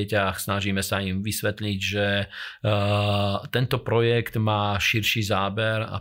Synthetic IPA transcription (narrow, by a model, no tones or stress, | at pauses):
ɛcaxsnaʒiːmɛsaimʋisʋɛt̪ʎiɟʒɛ | t̪ɛnt̪ɔpɾɔjɛkt̪maːʃiɾʃiːzaːbɛɾa̰